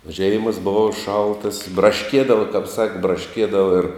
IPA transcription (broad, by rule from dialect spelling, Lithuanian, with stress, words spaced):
oː ˈʒʲɛɪmɐs ˈbʊʋɐ ˈʃɐlˠtɐs brɐˈʃʲkʲiɛdɐʋɐ kɐp ˈsɑːkʲɪ brɐˈʃʲkʲiɛdɐʋɐ ɪr